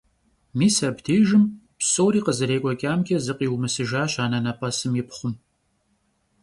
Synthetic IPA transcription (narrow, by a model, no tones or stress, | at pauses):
miːsɐbdʰeːʒɨm | psʼoːɾiːqəzɨɾeːkʷʼɔkʲʼaːmkʲʼɐzɨqʼiːwmɨsɨʒaːɕaːnɐnɐpʼɐsɨmjɪpχʷʊm